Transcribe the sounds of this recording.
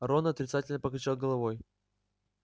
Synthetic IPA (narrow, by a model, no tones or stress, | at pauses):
ɐɾonɐt̪ɾʲɪt̪satʲɪlʲnəpəklʲɪt͡ɕalˠɡəlˠɐvoj